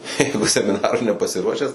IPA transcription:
ˈjɛɪɡʊ sʲɛmʲɪˈnɑːrʊɪ nʲɛpɐsʲɪˈruɔʃʲæːs

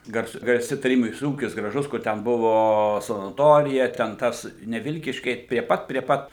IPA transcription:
ɡɐrˈsʊ ɡɐrʲˈsʲɪ tɐˈrʲiːbʲɪnʲɪs ˈuːkʲɪs ɡrɐˈʒʊs ˈkʊr tʲɛn ˈbʊʋoː sɐnɐˈtoːrʲɪjɛ tʲɛn ˈtɐs nʲɛ ˈʋʲɪlʲkʲiːʃʲkʲɛɪ pʲrʲiɛ ˈpɐt pʲrʲiɛ ˈpɐt

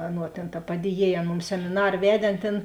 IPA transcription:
ˈɑːˌnuɔ tʲeːn tɐ ˈpɑːdʲiɛˌjiɛj ˈɐn ˈmʊms sʲɛmʲɪˈnɐr ˈʋʲæːdʲeː ˈɐn ˈtʲeːn

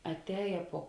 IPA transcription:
ɐtʲˈɛːjɛ puɔ

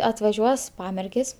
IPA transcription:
ɐtʋɐˈʒʲuɔs ˈpɑːmʲɛrʲɡʲeːs

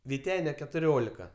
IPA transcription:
ʋʲɪˈtʲæːnʲɛ kʲɛtʊˈrʲoːlʲɪkɐ

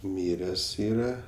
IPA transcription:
ˈmʲɪrʲɛs ˈiːrɐ

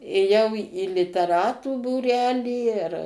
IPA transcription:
eːˈjɛʊ iː lʲɪtʲɛˈrɑːtuː buːˈrʲæːlʲiː ɪr

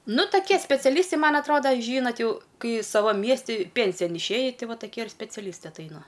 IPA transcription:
ˈnʊ toːˈkʲiɛ sʲpʲɛt͡sʲɛˈlʲiːstɐɪ ˈmɐn ɐtˈroːdɐ ˈʒʲiːnɐt ˈjɛʊ ˈkɐɪ ˈsɑːʋɐm ˈmʲiɛsʲtʲɪ ˈpʲɛnʲsʲɪjɛn ɪʃʲˈeːjɪ ˈtʲɪ ˈʋɐ ˈtɑːkʲiɛ ɪr sʲpʲɛt͡sʲɛˈlʲiːstɐɪ ɐtˈɐɪnɐ

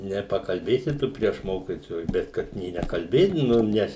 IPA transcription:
nʲɛpɐkɐlʲˈbʲeːsʲɪ ˈtʊ pʲrʲiɛʃ ˈmoːkʲɪtoːjʊs ˈbʲɛt ˈkɐt nʲeː nʲɛkɐlʲˈbʲeːdʲɪnoːm ˈnʲɛs

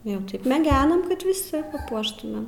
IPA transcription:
jɛʊ ˈtɐɪp mʲɛˈɡʲæːnɐm kɐt ʋʲɪˈsʲɪ pɐˈpuɔʃtʊmʲeːm

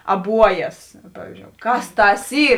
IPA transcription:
ɐˈbuɔjɛs ˈpɑːʋʲɪzʲd͡ʒʲoːʊ ˈkɐs ˈtɐs ˈiː

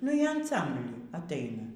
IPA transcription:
nʊ ˈjiɛ ɐnˈsɐmʲbʲlʲiː ɐtˈɐɪnɐ

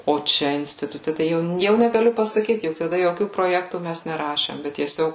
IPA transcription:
oː ˈt͡ʃʲɛ ɪnʲsʲtʲɪtʊˈtʲɛ tɐɪ ˈjɛʊ ˈjɛʊ nʲɛɡɐˈlʲʊ pɐsɐˈkʲiːt jʊk tɐˈdɐ joːˈkʲuː proːˈjæːktuː ˈmʲæs nʲɛˈrɑːʃʲeːm bʲɛt tʲiɛˈsʲoːk

